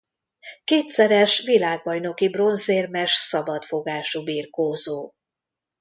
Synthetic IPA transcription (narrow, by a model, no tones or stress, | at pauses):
keːt̪sɛɾɛʃʋilaːɡ̚bɒjno̞kibro̞nzeːrmɛʃsɒbɒt̪fo̞ɡaːʃubiːrkoːzoː